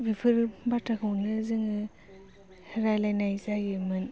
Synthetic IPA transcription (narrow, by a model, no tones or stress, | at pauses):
bipʰɯɾbatʰakʰɯwnɯzɯŋɯ | hɾajlajnajzajɡɯmɯn